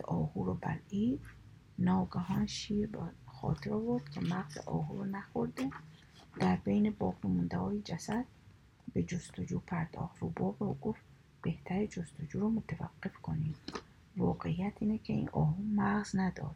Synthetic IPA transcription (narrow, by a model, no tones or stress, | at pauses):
ʔɔːhuɾɔba̰lid̪ | nɔɡaɦɔnʃiɾbχɔ̰t̪ʰiɾɔvoɾd̪kʰimaʁzḭʔɔ̰ɦuɾɔnaχoɾd̪e | d̪̥aɾbejnibɔːqnimund̪ahɔːjid͡ʒasad̪̚ | bed͡ʒust̪ʰʊd͡ʒupʰaɾd̪ɔ̰χt̪ɾubɔbeuɡuft̪ | b̥eht̪ʰæɾid͡ʒust̪ʰud͡ʒuɾɔmʊt̪ʰava̰qːifkʰoni | vɔːqeijat̪ʰinekʰiḭnʔɔːhumaʁznad̪ɔ̰d̪